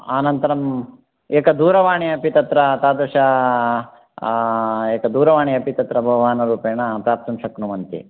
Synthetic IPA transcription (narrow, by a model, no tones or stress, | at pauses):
aːnɐnt̪ɐɾɐm | eːkɐd̪uːɾɐʋaːɳiɐpit̪ɐt̪ɾɐt̪aːd̪oːʃɐ | eːkɐd̪uːɾɐʋaːɳiɐpit̪ɐt̪ɾɐbʱɐʋaːnɐɾuːpeːɳɐpɾaːp̚t̪ɐmʂɐknumɐnt̪ḭ